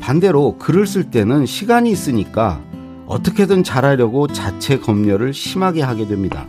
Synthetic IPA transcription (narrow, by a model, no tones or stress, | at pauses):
pande̞ɾokɯɾɯɭs͈ɯɭt͈e̞nɯnɕʰiɡaɲiːs͈ɯɲik͈a̰ | ʌ̰t͈ʌkʰe̞dɯnt͡ɕaɾaɾjʌɡot͡ɕat͡ɕʰe̞kʌmɲʌɾɯɭɕʰimɦaɡe̞ɦaɡe̞dwe̞mɲida̰